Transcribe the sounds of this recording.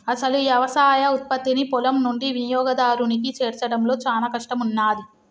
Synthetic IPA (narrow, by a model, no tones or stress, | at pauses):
ɐsɐluʋjɐʋɐsaːjɐut̪̚pɐt̪ːinipɔlɐmnuɳɖiʋinijɔːɡɐd̪aːɾunikit͡ʃeːɾt͡ʃɐɽɐmlo̞ːt͡ʃaːnɐkɐʂʈɐmunːaːd̪i